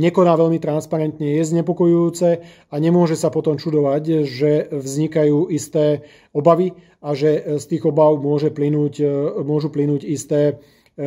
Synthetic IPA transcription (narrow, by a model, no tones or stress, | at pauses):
ɲɛkɔnaːʋɛʎmit̪ɾanspaɾɛnt̪ɲɛjɛzɲɛpɔkɔjujuːt͡sɛ | aɲɛmʊɔʒɛsapɔt̪ɔmt͡ʃud̪ɔʋacʒɛvzɲikajuːist̪ɛː | ɔbaʋi | aʒɛst̪iːɣɔbaʊmʊɔʒɛplinuːcmʊɔʒuplinuːɟist̪ɛː